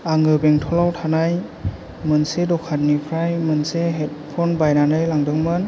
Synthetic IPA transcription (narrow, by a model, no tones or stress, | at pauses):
aŋɯbeŋtʰɔlawtʰanaj | mɯnsedɔkʰat̚nipʰɾajmɯnseɦet̚pʰɔnbajnanɯjlaŋdɯŋmɯn